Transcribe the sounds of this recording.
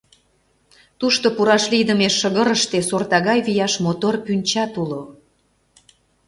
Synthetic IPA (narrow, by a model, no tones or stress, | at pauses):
t̪uʃt̪opuɾɑʃlid̪əmeʃːəɣəɾəʃt̪esort̪ɑɣɑjβijɑʃmot̪orpynʲt͡ɕɑt̪ulo